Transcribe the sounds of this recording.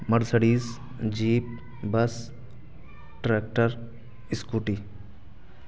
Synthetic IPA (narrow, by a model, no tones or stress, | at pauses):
mɐɽsəɽiːs | d͡ʒiːp̚ | bɐs | ʈɾeːk̚ʈəɾ | ɪskuːʈi